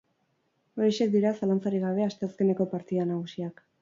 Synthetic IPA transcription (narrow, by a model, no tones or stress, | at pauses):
ojʃe̞k̚d̪iɾasalant͡saɾiɣaβ̞e̞ast̪e̞aske̞ne̞ko̞paɾt̪iðanaɣ̞usiak